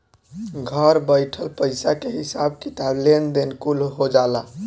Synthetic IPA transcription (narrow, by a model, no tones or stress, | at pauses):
ɡʱəɾbəɪʈʰəlpəɪsakeɦisabkit̪ablend̪enkulɦod͡ʒala